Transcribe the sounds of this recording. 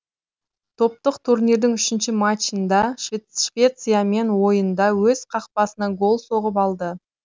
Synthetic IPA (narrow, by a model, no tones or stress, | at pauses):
t̪ʰo̞p̚t̪əqt̪ʰurniɾd̪ɪŋʏʃɪnʃɪmat͡ʃːənd̪ɑʃʃvʲe̞t̪sɨjame̞nwo̞jənd̪ɑwɵz̥qʰɑq̚pɑsənɑɡo̞lˠso̞ʁəpɑlˠd̪ə